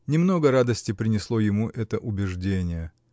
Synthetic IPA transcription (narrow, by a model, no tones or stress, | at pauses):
nʲɪmno̞ɡəɾad̪əsʲtʲɪpɾʲɪnʲɪslˠo̞jɪmuʔɛt̪əʔʊbʲɪʐdʲenʲɪjə